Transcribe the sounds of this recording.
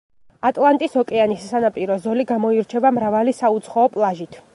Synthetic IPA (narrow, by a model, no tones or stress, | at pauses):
at̪ʼlˠant̪ʼisɔkʼɛanisːanapʼiɾɔzɔliɡamɔiɾt͡ʃʰɛvamɾavalisaut̪sʰχɔːpʼlˠaʒit̪ʰ